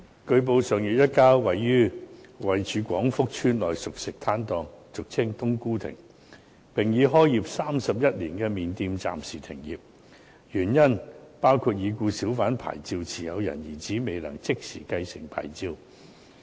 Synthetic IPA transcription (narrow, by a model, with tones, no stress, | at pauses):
kɵ˧ɥp̬o˧wsœː˨˩ŋji˨t̚jɐ˥t̚kaː˥wɐ˨jːyː˥wɐ˨jt͡ʃyː˨˧˥kʷwɔː˨˥ŋfʊ˥k̚t͡ʃʰyː˥nlɔː˨˩jsʊ˨k̚sɪ˨k̚t̪ʰaː˥nt̪ɔː˧ŋsʊ˨k̚t͡sʰɪ˥ŋt̪ʊ˥ŋkuː˥t̪ʰɪ̰˨˩ŋ | pɪ˨ŋjiː˨˧ɦɔː˥ji˨p̚saː˥msɐ˨p̚jɐ˥t̚liː˨˩nkɛː˧miː˨nt̪iː˧mt͡sa̰ː˨msiː˨˩t̪ʰɪ̰˨˩ŋjiː˨p̚ | jyː˨˩njɐ˥npaː˥wkʰuː˧t̚jiː˨˧kuː˧siː˨˥wfaː˨˥npʰa̰ː˨˩jt͡siː˧wt͡sʰiː˨˩jɐ˨˧wjɐ̰˨˩njiː˨˩t͡siː˨˥me˨˧jlɐ̰˨˩ŋt͡sɪ˥k̚sḭː˨˩kɐ˧jsɪ̰˨˩ŋpʰa̰ː˨˩jt͡siː˧w